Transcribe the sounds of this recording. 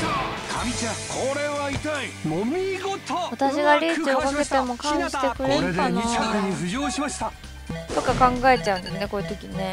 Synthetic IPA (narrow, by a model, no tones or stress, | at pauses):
kʰait͡ɕakʰoɾe̞βait̪aimomʲiɡot̪oβat̪aɕiɡaɾʲiiokake̞t̪e̞mo̞kãɰ̃ɕi̥t̪e̞kɯ̟ɾeɾɯ̟d̪aniakeɲ̟iɸɯ̟ʑoːɕimaɕi̥t̪a | t̪o̞kakãŋɡae̞t͡ɕaɯ̟̃nd̪esɨne̞ko̞it̪o̞kʲine̞